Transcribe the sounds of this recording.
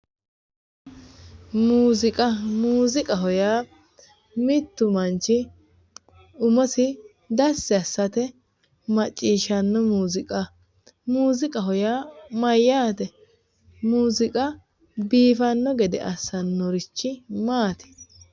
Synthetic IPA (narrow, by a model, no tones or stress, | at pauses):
muːzɪkʼɐmuːzɪkʼɐɦɔjaː | mɪt̪ːʊmɐnt͡ʃːɪ | ʊmɔsɪ | d̪ɐsːɛɐsːɐt̪ɛ | mɐt͡ʃʼːiːʃɐnːɔmuːzɪkʼɐ | muːzɪkʼɐɦɔjaːmɐjːaːt̪ɛ | muːzɪkʼɐ | biːfɐnːɔɡɛd̪ɛ̰ʔɐsːɐnːɔɾɪt͡ʃːɪmaːt̪ɪ̥